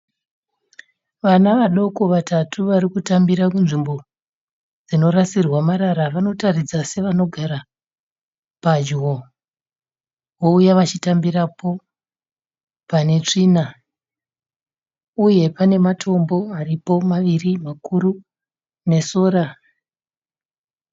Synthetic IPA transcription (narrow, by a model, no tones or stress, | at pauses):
ʋanaʋaɗo̞ko̞ʋatʰatʰuʋaɾikutambiɾakunʐimbo̞ | d͡zino̞rasirwamaɾaɾaʋano̞tarid͡zase̞ʋano̞ɡʱaɾa | pad͡ʒwo̞ | wo̞ujaʋat͡ʃitambiɾapo̞ | pane̞t͡ʂiːna | uje̞pane̞matʰo̞mbo̞aripo̞maʋirimakuru | ne̞so̞ːɾa